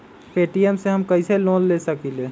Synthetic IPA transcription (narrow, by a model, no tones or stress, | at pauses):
peːʈiemseɦɐmkɐiselõːllesəkileː